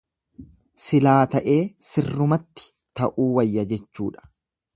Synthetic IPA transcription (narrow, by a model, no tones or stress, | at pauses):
sɪlaːt̪ɐʔe̞ːsɪrːʊmɐt̪ːɪ̥ | t̪ɐʔuːwɐjːɐd͡ʒɛt͡ʃːṵːᶑɐ̥